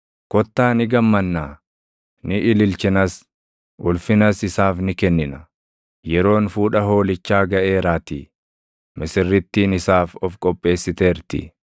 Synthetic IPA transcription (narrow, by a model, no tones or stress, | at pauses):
kɔt̪ːaːnɪɡɐmːɐnːaː | nɪʔɪlɪlt͡ʃɪnɐs | ʔʊlfɪnɐsɪsaːfnɪkɛnːɪnɐ | jɛɾo̞ːnfuːᶑɐɦo̞ːlɪt͡ʃːaːɡɐʔe̞ːɾaːt̪i | mɪsɪrːɪt̪ːiːnɪsaːfɔfkʼɔpʼːe̞ːsːɪt̪e̞ːɾt̪ɪ̰